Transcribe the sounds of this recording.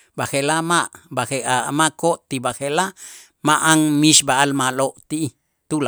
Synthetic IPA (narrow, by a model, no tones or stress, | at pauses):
baxelamaʔbaxeamakoʔt̪ibaxela | maʔaŋmiʃbaalmaloʔt̪i | t̪ula